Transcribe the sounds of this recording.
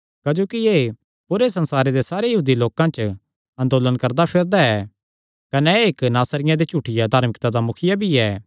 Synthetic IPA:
kɐd͡ʒoːkieː | pʊɾesɐ̃nsaːɾed̪esaːɾejɐɦuːd̪iloːkãt͡ʃ | ɐ̃nd̪oːlənkɐɾd̪apʰɪɾd̪aɛ | kɐnɛeknaːsɾɪjãd̪et͡ʃuʈʰɪjad̪ʱaːɾmɪkt̪ad̪amʊkʰɪjabʱiɛː

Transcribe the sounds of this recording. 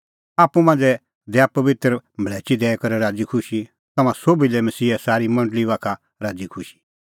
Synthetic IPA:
aːpːũmãːnd͡zɛ | d̪ɛapɐʋɪt̪ɾmʱɭɛːt͡ʃid̪ɛːkɐɾɛɾaːd͡zikʰʊʃi | t̪ɐmãsoːbilɛmɐsiːɛsaːɾimɐ̃ɳɖəliʋaːkʰa | ɾaːd͡zikʰʊʃi̥

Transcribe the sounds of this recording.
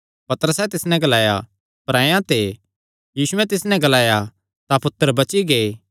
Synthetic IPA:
pɐt̪ɾəsɛt̪ɪsnɛ̃ɡɐlaːja̰ | pɐɾãːjãt̪e | jiːsʊɛ̃t̪ɪsnɛ̃ɡɐlaːja | t̪apʊt̪ːəɾbɐt͡ʃiɡeː

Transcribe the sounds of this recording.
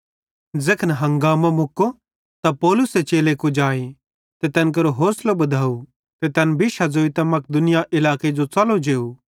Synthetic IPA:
d͡zekʰənɦɐ̃ŋɡaːmomʊkːo | t̪apɔːlʊset͡ʃeːlekud͡ʒaːi | t̪et̪ɐnk̬ɐɾoɦoːslobɐd̪ʱaːu | t̪et̪ɐnbʱɪʃad͡zoːit̪ɐmɐk̚d̪ʊnɪjaʔɪlaːked͡ʒot͡sɐlod͡ʒeːu

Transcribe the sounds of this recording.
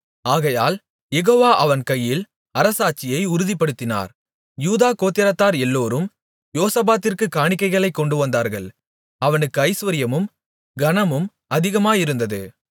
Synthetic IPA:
aːɣɐja̰ːl | jɛɣoːʋaːʔɐʋɐnkɐjːɪl | ɐɾɐsaːt͡ʃːɪjɐɪʊɾɯðɪpːɐɽɯt̪ːɪna̰ːɾ | juːðaːkoːt̪ːɪɾɐt̪ːaːɾɛlːoːɾɯm | joːsɐbaːt̪ːɪrkɯkːaːɳɪkːɐɪɣɐɭɐɪkːɔɳɖɯʋɐnd̪aːɾɣɐ̰ɭ | ɐʋɐnɯkːɯɐɪsʋɐɾɪjɐmɯm | ɡɐnɐmɯm | ɐðɪɣɐmaːjɪɾɯnd̪ɐðɯ̰

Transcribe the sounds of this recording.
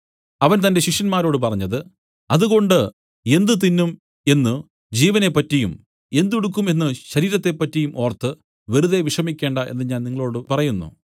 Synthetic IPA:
ɐʋɐnt̪̬ɐnde̞ɕiʂjɐnmaːɾo̞ːɽɨp̬ɐrɐɲːɐðɨ | ɐðuɣo̞ɳɖɨ | e̞nd̪ɨt̪̬inːum | e̞nːɨ | d͡ʑiːʋɐne̞pːɐtːijum | e̞nd̪uɽukːume̞nːɨɕɐɾiːɾɐt̪ːe̞pːɐtːijumʔo̞ːrt̪ːɨ | ʋe̞ɾuðeʋiʂɐmikʲːe̞ːɳɖɐʔe̞̰nːɨɲaːnniŋːɐɭo̞ːɽɨpɐrɐjunːṵ

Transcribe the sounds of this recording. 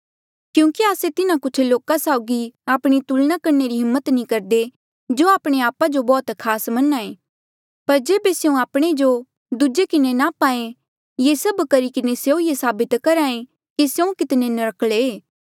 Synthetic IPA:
kjũːkiaːset̪ɪnãkʊt͡ʃʰloːkasaːʊɡiaːpɽ̃it̪ulnakɐɾneɾiɦɪmːət̪nĩkɐɾd̪e | d͡ʒoaːpɽ̃eaːpad͡ʒobɔːt̪kʰaːsmɐnaẽː | pɐɾd͡ʒeːbeseũaːpɽ̃ed͡ʒo | d̪ud͡ʒekɪnenapaːẽ | jesɐbkɐɾikɪneseõjesaːbɪt̪kɐɾaːẽ | kisjeũkɪt̪nenɐɾəkʰɭeː

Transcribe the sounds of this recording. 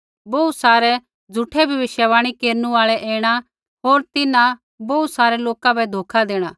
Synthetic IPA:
boːusaːɾɛ | d͡zʱuʈʰɛbʱɐbɪʃjəʋaːɽ̃ikeːɾnũaːɭɛʔɛːɽ̃a | ɦoːɾt̪ɪnã | boːusaːɾɛloːkabɛd̪ʱoːkʰad̪eːɽ̃aː

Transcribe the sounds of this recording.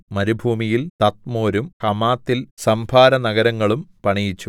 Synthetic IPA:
mɐɾubʱuːmijilt̪ɐt̪moːɾumkɐmaːt̪ːilsɐmbʱaːɾɐnɐɣɐɾɐŋːɐɭumpɐɳijit͡ɕːu

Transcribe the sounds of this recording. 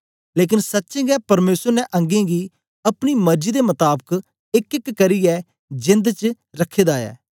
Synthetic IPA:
leːk̬ɪnsətːʃẽːɡɛːpɐɾmeːsəɾnɛʔə̃ŋɡẽːɡiː | ɐpnimɐɾd͡ʒiːd̪emʊt̪aːbək | ɪkɪkːəɾiɛː | d͡ʒɪ̃nd̪t͡ʃ | ɾɐkʰːeːd̪aːjɛ̰ː

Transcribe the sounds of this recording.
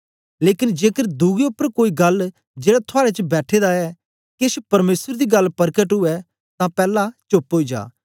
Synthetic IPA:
leːkɪnd͡ʒeːkəɾd̪uːɡeʊpːəɾkoːiɡɐl | d͡ʒeːɽat̪ʰʊaːɾet͡ʃbɛːʈʰed̪aɛː | kɪʃpɐɾmeːsəɾd̪iɡɐlpɐɾkəʈɦʊɛ | t̪ãpɛːlat͡ʃʊpɦoːid͡ʒa̰ː

